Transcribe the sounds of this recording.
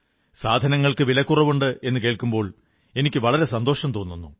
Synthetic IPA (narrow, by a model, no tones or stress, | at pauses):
saːd̪ʱɐnɐŋːɐɭkɨʋilɐkːurɐʋuɳɖɨe̞nːɨk̬eːɭkːumbo̞ːɭ | e̞nikʲːɨʋɐɭɐɾe̞sɐnd̪o̞ːʂɐmt̪o̞ːnːunːu